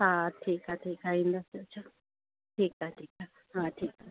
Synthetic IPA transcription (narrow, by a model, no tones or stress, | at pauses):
hat̪ʰikat̪ʰikaind̪asat͡ʃʰa | tʰikat̪ʰika | hat̪ʰika